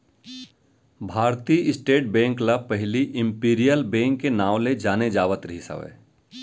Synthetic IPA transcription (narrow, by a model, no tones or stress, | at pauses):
bʱaːɾt̪iːʔɪsʈeːʈ̚bɛ̃ːŋklapɛɦɪliʔɪ̃mpiːɾijəlbẽːŋkːenaːʋled͡ʒaːned͡ʒaːʋət̪ɾɐɦɪsa̰ʋḛː